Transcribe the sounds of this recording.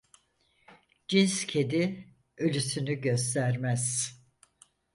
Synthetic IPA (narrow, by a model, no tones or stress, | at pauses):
d͡ʒinscʰe̞d̪i | ølʲysynyɟø̞s̬t̪ʰæɾmæz̥